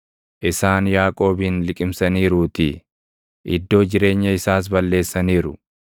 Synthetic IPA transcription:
ʔɪsaːnjaːkʼo̞ːbɪnlɪkʼɪmsɐniːɾuːt̪ɪ | ʔɪd̪ːo̞ːd͡ʒɪɾe̞ːɲːɐɪsaːs̬bɐlːe̞ːsːɐniːɾʊ

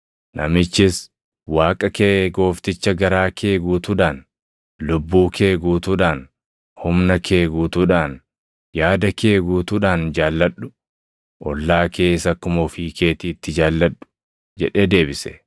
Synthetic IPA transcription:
nʔɐ̰mɪt͡ʃːɪs | waːkʼɐkeːɡo̞ːft̪ɪt͡ʃːɐɡɐɾaːkʰeːɡuːt̪ʊᶑaːn | lʊbːuːkʰe̞ːɡuːt̪ʊᶑaːn | hʊmnɐkʰe̞ːɡuːt̪uᶑaːn | jaːd̪ɐkʰe̞ːɡuːt̪uᶑaːnd͡ʒaːlːɐᶑʊ̥ | ʔɔlːaːke̞ːsɐkːʊmɔfiːke̞ːt̪iːt̪ːɪd͡ʒaːlːɐᶑʊ̥ | d͡ʒɛᶑe̞ːd̪e̞ːbɪsɛ̥̰

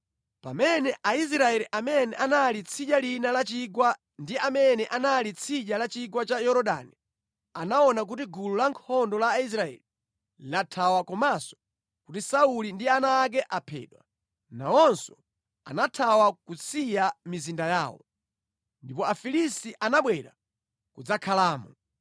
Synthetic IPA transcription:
pa̰mɛnɛʔais̬ɾaɛliʔamɛnɛʔanalit͡sʰiʄalinalat͡ʃiɡwa | ndiamɛnɛʔanalit͡sʰiʄalat͡ʃiɡwat͡ʃajɔɾɔɗa̰ni | anaɔnak̬ut̬iɡululaŋkʰɔndɔlais̬ɾaɛ̰li | latʰawakɔmasɔ̥ | kutisaulindianaːk̬ɛʔapʰɛ̰ːɗwa | naɔnsɔ | a̰natʰawakut͡sʰijamizindaja̰ːwɔ̰ | ndipɔafilistiʔanaɓwɛɾa | kud͡zakʰalaːmɔ̰

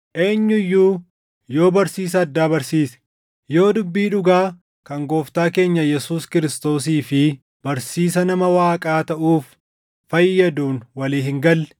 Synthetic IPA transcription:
ʔe̞ːɲːʊjːuː | jo̞ːbɐɾsiːs̬ɐːd̪ːaːbɐɾsiːsɛ̥ | jo̞ːd̪ʊbːiːᶑʊɡaː | kɐŋɡo̞ːft̪aːke̞ːɲːɐjɛsuːskɪɾɪst̪o̞ːs̬iːfɪ | bɐɾsiːs̬ɐnɐmɐwaːkʼaːt̪ɐʔuːfː | ɐjːɐd̪uːnwɐliːhɪŋɡɐlː

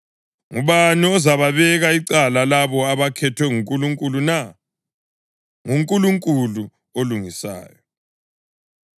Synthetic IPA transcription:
ŋuβaniɔzaβaβɛɣaiǀalalaβɔaβakʰɛtʰwɛŋuŋkʼuluŋkʼuluna | ŋuŋkʼuluŋkʼulu | oluŋisa̰ːjɔ

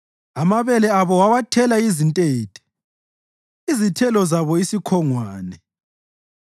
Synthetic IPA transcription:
amaβɛlɛaβɔwawatʰɛlaizintʼeːtʼɛ̥ | izitʰɛlɔzaβɔisikʰɔŋwaːnɛ

